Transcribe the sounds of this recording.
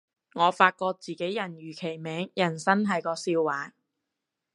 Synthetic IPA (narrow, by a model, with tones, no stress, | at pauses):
ŋɔː˨˧faː˧t̚kɔː˧k̚t͡siː˨ke˨˥jjɐ˨˩njyː˨˩kʰe˨˩jmɛː˨˥ŋjɐ˨˩nsɐ˥nɦɐ˨jkɔː˧siː˧wːaː˨˥